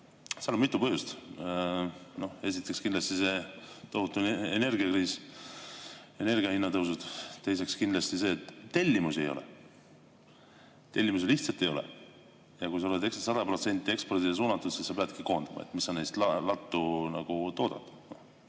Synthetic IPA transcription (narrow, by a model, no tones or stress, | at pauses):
seɑlomit̪ːˑupɤɦjust̪ | no̞he̞sit̪ːˑe̞kskind̪lɑst̪ise̞t̪o̞ɦut̪ːˑuene̞rɡiɑkriːs | e̞ne̞rɡiɑhinːɑt̪ɤwsud̪̥t̪e̞jse̞kskind̪lɑst̪ise̞ːt̪ːe̞lʲːimuse̞jo̞̰lɛ̰ | t̪e̞lʲːimus̬eliçht̪sɑlt̪ːˑejo̞lɛ̰ | jɑkujs̬ɑoled̪ekssɑd̪ɑpro̞t̪se̞nʲt̪ːˑie̞kspo̞rd̪ies̬uːnɑt̪ːˑud̪̥sisːɑpeɑd̪kiko̞ːnd̪ɑmɑ̰et̪misːɑnejst̪lɑlɑt̪ːunɑɡ̥ut̪o̞ːd̪̥ɑ̰t̪no